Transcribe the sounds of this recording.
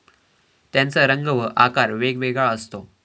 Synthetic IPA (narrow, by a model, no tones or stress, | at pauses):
t̪jãnt͡səɾəŋɡəʋəʔakaɾʋeɡʋeɡɭaəst̪o